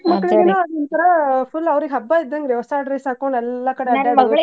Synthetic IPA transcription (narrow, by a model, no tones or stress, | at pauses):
mɐkːɐɭeːnoːɐd̪ɔnt̪ɐɾɐpulːɐʋɾiɡeɦɐbːaːid̪ːɐŋɡɾɛʋɐsaːʈɾɐjsaːkoɳɖɛlːɐkɐɽeɐːe